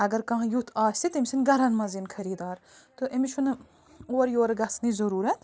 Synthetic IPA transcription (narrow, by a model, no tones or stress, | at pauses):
ɐɡɐɾkɐ̃ɦɐ̃jut̪ʰaːsʲsit̪imʲsinɡɐɾɐnmɐzinkʰɐɾiːd̪aːɾt̪oʔemit͡ʃʰun | oːɾjoːɾɡɐsnizɐɾuːɾɐt̪